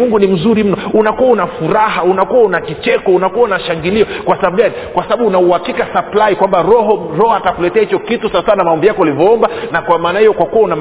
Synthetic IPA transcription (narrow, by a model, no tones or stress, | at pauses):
uŋɡunim̩zuɾim̩nɔunakuaunafuɾaɦaunakuwaunakit͡ʃɛkɔunakuaunaʃaŋɡiliɔkwasaaɓɡanikwasaɓaɓuunauhakikasaplaikwambaɾɔɦɔɾɔhɔatakulɛtɛahit͡ʃɔkitusasanamaɔmbijakɔalivɔɔmbanakwamaːnahijɔkwakuwaunam